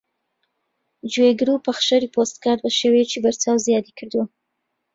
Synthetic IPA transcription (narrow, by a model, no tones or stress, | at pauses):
d͡ʒweɡɾupaxʃaɾipost̪̚kɑd̪̚baʃəwet͡ʃebaɾt͡sɑwzjɑd̪ekd̪u